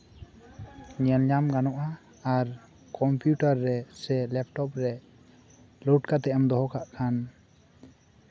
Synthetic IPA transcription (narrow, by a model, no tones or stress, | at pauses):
ɲɛnʎamɡanɔʔa | aɾ | kɔmpjuʈaɾːɛsɛlɛp̚ʈɔp̚ɾɛ | lɔʈkat̪ɛamd̪ɔɦɔkaʔkʰan